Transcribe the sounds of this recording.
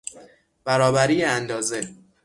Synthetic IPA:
b̥æɾɒːbæɾiːjeænd̪ɒːze

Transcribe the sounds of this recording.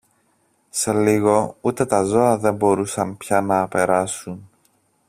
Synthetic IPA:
se̞liɣo̞ut̪e̞t̪ɐzo̞ɐðe̞mbo̞ɾusɐmpçɐnɐːpe̞ɾɐsun

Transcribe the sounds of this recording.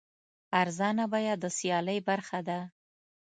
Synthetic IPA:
aɾzɑnabɑjɑd̪əsjɑləjbaɾxad̪a

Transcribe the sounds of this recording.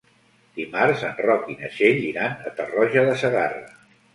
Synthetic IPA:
d̪̥imaɾzənrɔkinə̰ʃeʎiɾanət̪ərɔʒəðəsəɣarə̰

